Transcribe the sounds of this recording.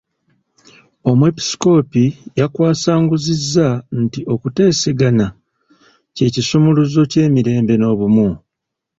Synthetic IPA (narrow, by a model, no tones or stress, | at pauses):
o̞mue̞pi̥sko̞ːpijakwaːsaːŋɡuzizːantio̞kute̞ːseɡana | ce̞ːcisumuluzo̞ce̞ːmiɾe̞ːmbe̞no̞ːβumu